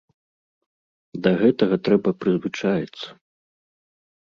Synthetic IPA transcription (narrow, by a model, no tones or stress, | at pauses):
d̪ɐɣɛt̪ɐɣɐt̪ɾɛbɐpɾɨzvɨt͡ʂajɛt̪sːɐ̥